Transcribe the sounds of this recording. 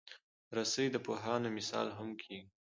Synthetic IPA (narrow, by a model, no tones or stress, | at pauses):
ɾasəjd̪əpoɦɑnomɪsɑ̰lɦamkʰiɡi